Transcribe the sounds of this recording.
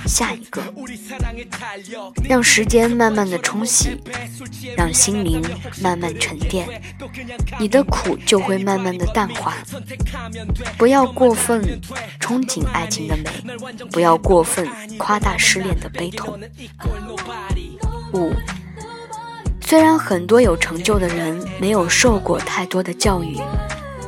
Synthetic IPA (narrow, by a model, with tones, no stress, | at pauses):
ɕja˥˩i˧˥ɡ̥ə˧ | ɻɑ˥˩ŋʂɻ̩˧˥t͡ɕjɛ˥nma˥˧nma˥˩nd̪ə˩ʈ͡ʂʰʊ˥ŋɕḭ˧˥ | ɻɑ˥˧ŋɕi˥ŋli˧˥ŋma˥˧nma˥˩nʈ͡ʂʰə˧˥nt̪jɛ˥˩n | ni˨˩d̪ə˦kʰu˨˩t͡ɕjo˥˧ʊxwe˥˧ɪma˥˧nma˥˩nd̪ə˩t̪a˥˧nxwa˥˩ | pu˧˥jɑ˥˧ʊkwɔ˥˧fə˥˩nʈ͡ʂʰʊ˥ŋt͡ɕʰi˧˥ŋa̰˥˩ɪt͡ɕʰi˥ŋd̪ə˨mḛ˨˧˩ɪ | pu˧˥jɑ˥˧ʊkwɔ˥˧fə˥˩n | kʰwa˥t̪a˥˩ʂɻ̩˥˧ljɛ˥˩nd̪ə˩pe˥ɪt̪ʰʊ˧˥˦ŋ | u˨˩ | swe˥ɪɻa˧˥nxə˨˩nt̪wɔ˥jo˨˩ʊʈ͡ʂʰɤ˧˥ŋt͡ɕjo˥˩ʊd̪ə˩ɻə˧˥nme˧˥ɪjo˨˩ʊʂo˥˧ʊkwɔ˥˧t̪ʰa˥˩ɪt̪wɔ˥d̪ə˨t͡ɕjɑ˥˧ʊy˥˩